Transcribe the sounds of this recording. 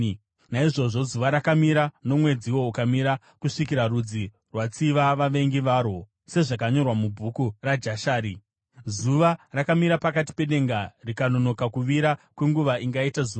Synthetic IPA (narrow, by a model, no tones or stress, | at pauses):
naiʐo̞ʐo̞zuʋaɾakamiɾano̞mwe̞d͡ziwo̞ukamiɾa | kuʂikiɾarud͡zi | rwat͡siʋaʋaʋe̞ŋɡiʋaːɾo̞ | se̞ʐakaɲo̞rwamubʱukurad͡ʒaʃaːɾi | zuʋarakamiɾapakati̥pe̞ɗe̞ŋɡarikano̞no̞kakuʋiɾakwe̞ŋɡuʋaʔiŋɡaitazuːa